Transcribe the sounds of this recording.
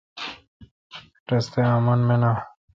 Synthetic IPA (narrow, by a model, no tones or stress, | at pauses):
ʈest̪eaːmɐnmena